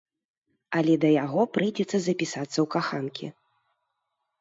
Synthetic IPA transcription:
ɐlʲɛd̪ɐjaɣɔpɾɨjd͡zʲɛt̪sːɐzɐpʲisat̪sːɐwkaxankʲḭ

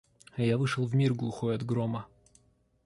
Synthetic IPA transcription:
ɐjavɨʂəlˠvmʲirɡlˠʊxojɐd̪ɡɾomə

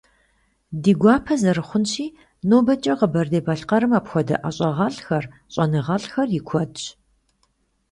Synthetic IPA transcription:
diːɡʷɑːpʰɐzɐrɨχʷʊnʃiː | noːbɐt͡ʃʼɐʁəbɐrdeːbɐɬqɐɾɨmaːpxʷɔdɐ̰ʔɐɕʼɐʁɐɬxɐrɕʼɐnɨʁɐɬxɐrjɪkʷʰɔdɕ

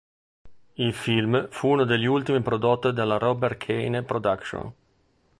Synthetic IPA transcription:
ilfilmfuunod̪eʎːiult̪imipɾod̪ot̪ːd̪elːaɾɔbɛrkʰejnpɾod̪akʃo̰n

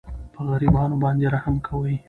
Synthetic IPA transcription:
pəɣaɾibɑnobɑnd̪eɾahamkʰawəj

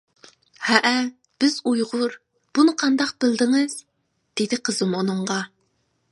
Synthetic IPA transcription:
hɛʔɛ | b̥ɪzujʁʊɾ | b̥unɨqʰɑnd̪ɑq̚b̥ɪld̪ɪŋɨz̥ | d̪̥ed̪ɪqʰəzɨmunɨɴʁɑ

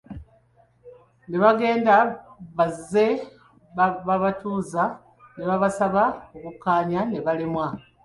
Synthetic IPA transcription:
neβaɡe̞ːndaβaze̞ | βaβatuːza | neβaβasaβaokukːaːɲane̞βalimwa

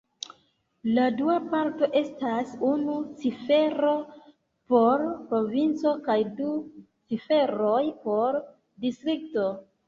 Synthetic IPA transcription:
laduapaɾto̞ʔe̞stasunut͡sife̞ɾo̞ | po̞ɾpɾo̞vint͡so̞kajdu | t͡sife̞ɾojpo̞ɾ | distɾik̚to̞

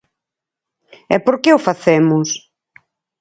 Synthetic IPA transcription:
ɛpoɾkeʊfaθɛmʊs

